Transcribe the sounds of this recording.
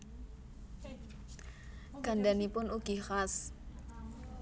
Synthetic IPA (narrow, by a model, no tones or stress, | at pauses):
ɡ̥a̤ndanipʊnuɡ̥ixas